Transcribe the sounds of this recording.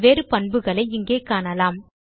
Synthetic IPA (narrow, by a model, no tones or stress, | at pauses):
ʋeːɾɯpɐnbɯɣɐɭɐɪɪŋɡeːkaːnɐlaːm